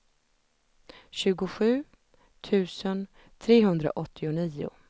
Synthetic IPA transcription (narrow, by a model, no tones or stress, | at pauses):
ɕʉ̟ːɡʊɧʉ̟ː | t̪ʰʉ̟ːsən | t̪ʰɾeːɦɵnd̪ɾa̰ʔɔt̪ʰːɪʊniːʊ̰